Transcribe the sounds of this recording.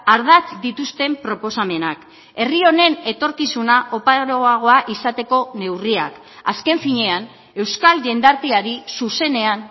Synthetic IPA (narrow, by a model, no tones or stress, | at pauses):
aɾð̞at͡sd̪it̪ust̪e̞mpɾo̞po̞same̞nak | e̞rio̞ne̞ne̞t̪o̞ɾkisunaʔo̞paɾoaɣ̞o̞aʔisat̪e̞ko̞ne̞wriak | a̰ske̞ɱfiɲe̞an | e̞wskalʝe̞nd̪aɾt̪iaɾisuse̞ne̞an